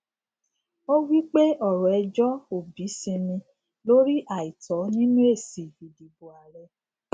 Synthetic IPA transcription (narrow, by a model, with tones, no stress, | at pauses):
o˦wi˦k͡pe˦ɔ˦˨ɾɔ˨ɛ˧d͡ʒɔ˦o˨bi˨˦sĩ˧nĩ˧ | lo˦ɾi˦ʔa˦˨i˨tɔ˨˦nĩ˦nũ˦e˦˨si˨i˨di˨bu˨a˨ɾɛ˧˦